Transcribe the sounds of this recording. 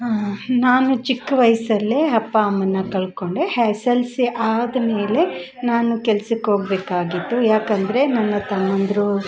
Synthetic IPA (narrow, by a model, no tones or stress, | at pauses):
naːnut͡ʃikːʋɐjsɐlːeɐpːɐɐmːɐnːɐkɐɭko̞ɳɖehɛːsɐlsiʔaːd̪ɐme̞ːle̞ | naːnukɛlsikɦo̞ːɡ̚beːkaːɡit̪ːujaːkɐnd̪ɐɾe̞nɐnːɐt̪ɐmːond̪ɾu